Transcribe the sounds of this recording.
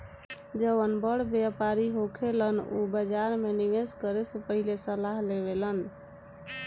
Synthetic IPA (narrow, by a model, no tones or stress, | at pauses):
d͡ʒəbənbəɽbjapaɾiɦokʰelənṵbəd͡ʒaɾmeniɡeskəɾesepəɦilesəlaɦleβelən